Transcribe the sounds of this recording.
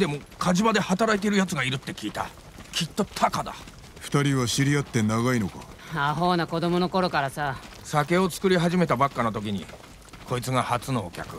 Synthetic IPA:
d̪e̞mo̞kʰaʑibad̪e̞hat̪aɾait̪̬e̞iɾɯ̟jat͡sɨɡaiɾɯ̟t̪ːe̞kʲiːt̪a̰ | kʲʰit̪ːo̞t̪ʰakad̪a̰ | ɸɯ̥t̪aɾʲiβaɕiɾʲijat̪ːe̞naɡaino̞ka̰ | aɦo̞ːnako̞d̪o̞mo̞noko̞ɾo̞kaɾasa | sake̞o̞t͡sɨ̥kɯ̟ɾʲiɦaʑime̞t̪abakːano̞t̪o̞k̬ʲiɲ̟ḭ | kʰo̞it͡sɨɡahat͡sɨno̞ːkʲa̰kɯ̟

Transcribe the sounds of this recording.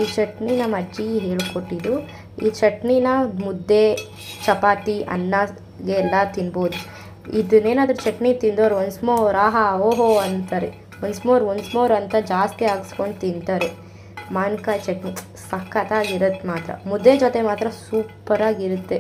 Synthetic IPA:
iːt͡ʃɐʈninɐmːɐd͡ʒiɦeːɭkoʈːid̪u | ḭːt͡ʃɐʈninamud̪ːe | t͡ʃɐpaːt̪iʔɐ̰nːɐ | ɡeːlːɐt̪inboːd̪u | ḭd̪uneːnaːd̪ɐɾut͡ʃɐʈnit̪ind̪oːɾʋɐnsmoːɾaːɦɐoːɦoɐnt̪ɐɾe | ʋɐnsmoːɾʋɐnsmoːɾɐnt̪ɐd͡ʒaːst̪iaːɡskoɳɖt̪int̪aːɾe | maːnkat͡ʃɐʈni | sɐkːɐt̪aːɡiɾɐt̪ːmaːt̪ɾɐ̰mud̪ːed͡ʒot̪emaːt̪ɾɐsuːpɐɾaːɡiɾut̪ːe̞

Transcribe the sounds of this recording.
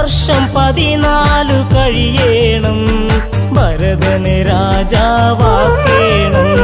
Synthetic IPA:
ɐrʂɐmpɐðinaːlɨkɐɻijeːɳɐm | bʱɐɾɐðɐneɾaːd͡ʑaːʋaːkeːɳɐm

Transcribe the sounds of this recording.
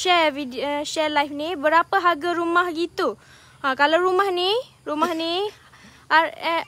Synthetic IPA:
ʃɛviʃɛlajfnibəɾapaɦaɡaɾumahɡit̪u | kalawɾumahni | ɾumahni | a

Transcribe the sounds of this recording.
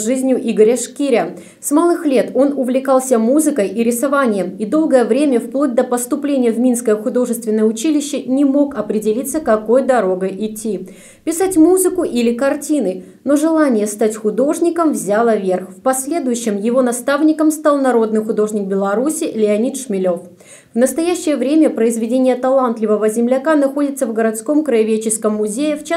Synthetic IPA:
ʐɨzʲnʲjʊʔiɡəɾʲəʂkʲiɾʲə | smalˠɨxlʲe̞t̪o̞nʊvlʲɪkɑlˠsʲəmuzɨkəjʔiɾʲɪsɐvanʲɪjəmid̪o̞lˠɡəjəvɾʲemʲəfplˠot̚ʲd̪əpəst̪ʊplʲenʲɪjəvmʲin̪skəjəxʊd̪o̞ʐɨst̪vʲɪnːəjəʊt͡ɕilʲɪɕːɪnʲɪmo̞kɐpɾʲɪdʲɪlʲit̪sːəkɐko̞jd̪ɐɾo̞ɡəʔɪtʲːi | pʲɪsatʲmuzɨkʊʔilʲɪkɐrtʲinɨ | no̞ʐɨlˠanʲɪjəst̪atʲxʊd̪o̞ʐnʲɪkəmvzʲalˠəvʲerxfpɐsʲlʲe̞d̪ʊjʉɕːɪmjɪvo̞nɐst̪avnʲɪkəmst̪alˠnɐɾo̞d̪nɨxʊd̪o̞ʐnʲɪk̚bʲɪlˠɐɾusʲɪlʲɪɐnʲit̪ʂmʲɪlʲo̞f | vnəst̪ɐjæɕːɪjəvɾʲemʲəpɾəɪzvʲɪdʲenʲɪjət̪ɐlˠant̪lʲɪvəvəzʲɪmlʲɐkanɐxo̞dʲɪt̪səvɡəɾɐt̪sko̞mkɾəɪvʲet͡ɕɪskəmːʊzʲejɪft͡ɕ

